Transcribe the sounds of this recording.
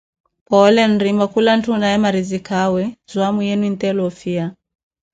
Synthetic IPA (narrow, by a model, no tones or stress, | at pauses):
pɔlɛn̩ɾimbakulan̩tunajɛmaɾizikawɛzwamujɛnuintɛlɔfia